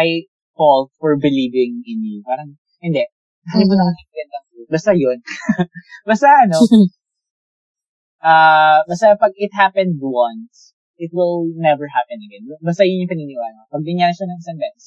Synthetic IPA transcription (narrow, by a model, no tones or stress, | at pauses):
aj | fɔlt̪̚fɔɹbɪlivɪŋʔɪnipaːɾɐŋ | hɪnd̪ɛ | d̪anɪmʊnɐmanɐɪɐɡɐnd̪ɐŋfud̪̚bast̪ɐjon | bast̪ɐʔɐno | ʔabast̪ɐpɐɡ̚ɪt̪̚hapɛ̃nd̪wɐns | ɪt̪̚wɪlnɛvɛɹhapɛ̃nɐɡɛnbbast̪ɐjʊɲɲɐ̃ŋpɪniːnɪwalɐpɐɡ̚d̪ɪɲanɐʃanɐŋɪsɐŋbɛnɛs